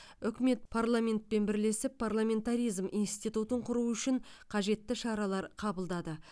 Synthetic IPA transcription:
ʏkʲme̞t̪̚pʰarlˠamʲe̞nt̪̚pe̞nbɪɾle̞sɪpʰːarlˠamʲe̞nt̪aɾijzminst̪it̪ut̪əɴqʰʊɾuʏʃɪɴqʰɑʒe̞t̪ːɪʃɑɾɑlˠɑɾqʰɑbəlˠd̪ɑd̪ə

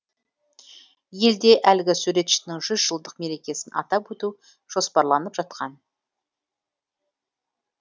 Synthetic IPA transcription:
je̞ld̪e̞ʔælɡʲɪsuɾe̞t̪ʃɪ̥nɪŋʒʏzʒəlˠd̪əqme̞ɾe̞kʲe̞sɪnɑ̰t̪ɑpwɵt̪u | ʒ̥o̞spɑɾlˠɑnəpʒɑt̪qɑn

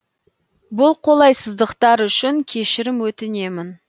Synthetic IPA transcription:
bʊlˠqʰo̞lˠɑjsəzd̪əqt̪ɑɾʏʃɪŋkʲʰe̞ʃɪɾɪmwɵt̪ɪne̞mɪn

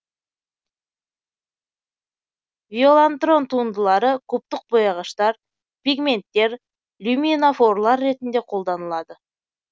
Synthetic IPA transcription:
vʲiolˠant̪ro̞nt̪ʰuənd̪əlˠɑɾəkʲʰɵp̚t̪ɪq̚bojɑʁəʃt̪ɑɾ | pʲiɡme̞nt̪ːe̞ɾ | lʲumʲinafo̞rlˠɑɾːe̞t̪ɪnd̪e̞qʰo̞lˠd̪ɑnəlˠɑd̪ə

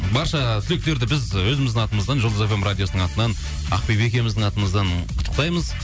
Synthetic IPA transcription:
bɑɾʃɑt̪ʰʏle̞k̚t̪e̞ɾd̪ɪbɪzwɵzɪmɪzd̪ɪŋɑt̪əməzd̪ɑnʒolˠd̪əze̞fe̞mrad̪ʲijo̞sənəɴɑt̪ənɑn | ɑ̰q̚pijbeekʲe̞mɪzd̪ɪŋɑt̪əməzd̪ɑɴqʰʊt̪ʰːəq̚t̪ɑjməz

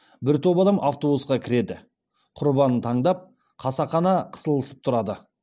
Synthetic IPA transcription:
bɪɾt̪ʰo̞pɑd̪ɑmʔaft̪o̞busqɑkʲʰɪɾe̞d̪ɪ | qʰʊɾbɑnənt̪ʰɑɴd̪ɑp̚ | qʰɑsɑχɑnɑqʰə̥səlˠəsə̥p̚t̪ʰʊɾɑd̪ə

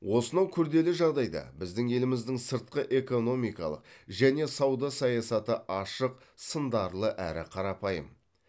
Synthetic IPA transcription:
wo̞sənɑwkʲʰʏɾd̪e̞lɪʒɑʁd̪ɑjd̪ɑ̰bɪzd̪ɪŋe̞lɪmɪzd̪ɪŋsəɾt̪̚qəʔe̞ko̞no̞mijkɑlˠə̰qʒæne̞sɑwd̪ɑsɑjɑsɑt̪əʔɑʃəq | sənd̪ɑɾlˠəʔæ̰ɾɪ̰qʰɑɾɑpɑjə̰m

